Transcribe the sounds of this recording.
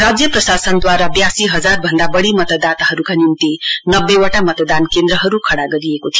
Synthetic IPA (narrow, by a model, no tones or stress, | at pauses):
ɾad͡zjʌprʌsasʌnd̪waɾabjasiɦʌd͡zarbʱʌnd̪abʌɽimʌt̪ʌd̪at̪aɦʌɾukanimt̪inʌbːewaʈamʌt̪d̪ankend̪ɾʌɦʌɾukʰʌɽaɡʌɾiekot̪ʰijo